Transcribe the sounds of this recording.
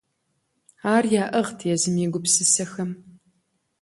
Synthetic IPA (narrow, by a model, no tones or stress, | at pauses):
aːrjaːʔɐʁtʰjɛzɨmiɡʷʊpsɨsɐxɐm